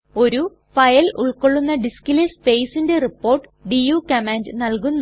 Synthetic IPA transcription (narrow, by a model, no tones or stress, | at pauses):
o̞ɾu | fɐjɐlṵɭko̞ɭːunːɐɖiskilespejsinde̞ripːo̞ːrʈːɨ̥ɖijuːkɐmaːndɨnɐlkunː